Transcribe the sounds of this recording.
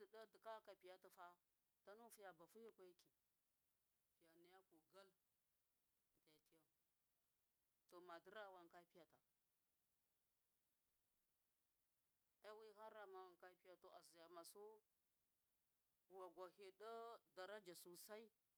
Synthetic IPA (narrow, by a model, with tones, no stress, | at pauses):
də˨ɗa˦də˨ka˦ka˨pi˨ja˦ta˨fa˦ | ta˦nu˦fu˦ja˨ba˨fu˦je˦kʷa˦jki˨ | pi˨ja˨ni˨ja˦ko˨ɡa˦l | da˨ti˦ja˦ | to˨ma˨də˦ɾa˦˨wa˨ŋka˦pi˦ja˨ta˨ | e˦wi˦ha˦ɾa˨ma˨wa˨ŋka˦pi˦ja˨to˨ʔa˨zi˨ja˨ma˨su˦˨ | wa˨ɡʷa˨he˨ɗə˦da˨ɾa˦d͡ʒa˨su˨sa˦i˦